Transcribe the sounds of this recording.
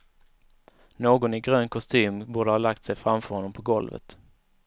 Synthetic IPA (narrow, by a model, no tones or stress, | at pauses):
noːɡɔnɪɡɾøːnkʰɔst̪ʰyːmbuːɖəhɑːlakt̪sɛjfɾamfœɾhɔnːɔmpʰɔɡɔlvə̰t̪